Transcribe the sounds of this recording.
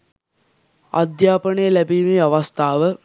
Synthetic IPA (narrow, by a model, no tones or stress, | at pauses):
a̰d̪jaːpəɳəjəlæbiːmiːaʋast̪aːʋə